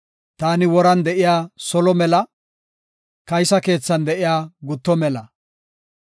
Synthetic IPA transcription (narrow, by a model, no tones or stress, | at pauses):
t̪aːnɪwɔɾɐnd̪ɛʔɪjaːsɔlɔmɛlɐ | kɐjsɐke̞ːt͡sːɐnd̪ɛʔɪjaːɡʊt̪ːɔmɛlɐ